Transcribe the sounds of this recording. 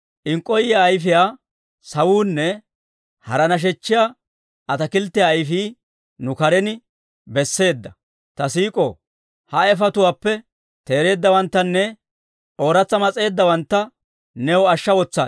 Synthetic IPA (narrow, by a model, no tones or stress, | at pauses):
ʔɪŋkʼːɔjɪjaːjfɪjaː | sɐwuːnːɛ | hɐɾɐnɐʃ̬ɛt͡ʃːɪjaː | ʔɐt̪ɐkɪlt̪ːɪjaːjfiː | nʊkɐɾɛnɪ | bɛsːe̞ːd̪ːɐ | t̪ɐsiːkʼo | hɐɛfɐt̪ʊwaːpːɛ | t̪e̞ːɾe̞ːd̪ːɐwɐnt̪ːɐnːɛ | ʔo̞ːɾɐt͡sːɐmɐt͡sʼe̞ːd̪ːɐwɐnt̪ːɐ | nɛwɔɐʃːɐwɔt͡sːa̰ː